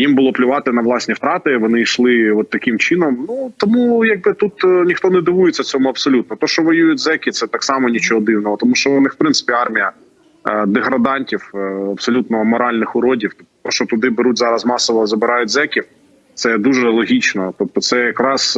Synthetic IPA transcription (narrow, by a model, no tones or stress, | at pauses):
jimbʊlˠɔplʲʊʋɑt̪ɪnɐʋlˠɑsʲnʲift̪ɾɑt̪ɪʋɔnɪiʃlˠɪɔt̪ːɐkʲɪmt͡ʃɪnɔmnut̪ɔmujɑɡ̚bɪt̪ut̪nʲixt̪ɔnɛd̪ɪʋujet͡sʲːɐt͡sʲɔmʊɐpsɔlʲut̪nɔt̪ɔʃt͡ʃɔʋɔjujʊt̚ʲzɛkʲit̪sɛt̪ɑksɑmɔnʲit͡ʃɔɦɔd̪ɪwnɔɦɔt̪ɔmuʃt͡ʃɔʋɔnɪfpɾɪnsɪ̥pʲiɑrmʲijɐ | d̪eɦɾɐd̪ɑnʲtʲiwɐpsɔlʲut̪nɔmɔɾɑlʲnɪxʊɾɔdʲiwt̪ɔp̚t̪ɔ̥t̪ɔʃt͡ʃɔt̪ʊd̪ɪbeɾutʲzɑɾɐzmɑsɔʋɔzɐbɪɾɑjʊtʲzɛkʲiw | t̪sɛd̪uʒɛlˠɔɦʲit͡ʃnɔt̪ɔp̚t̪ɔt̪sɛjɐkɾɑs